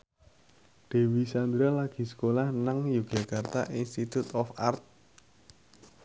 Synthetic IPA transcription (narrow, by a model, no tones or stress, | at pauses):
d̪̥e̤wisand̪ɾalaɡ̥i̤sə̥kolahnaŋjuɡ̥a̤kart̪a̰ʔinst̪it̪ut̪ɔfart̪̚